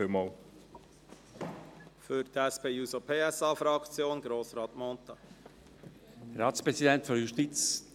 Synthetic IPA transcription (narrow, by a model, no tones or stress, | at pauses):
ɪmɑːl | fʏɾt̪ʰɛspʰeːjuːsopʰeːɛsɑːfɾɑkt͡sjoːnɡɾoːsɾɑːt̪mɔnt̪ɑ | ɾɑːtspʁɛzidɛntføɾjuʃtit͡s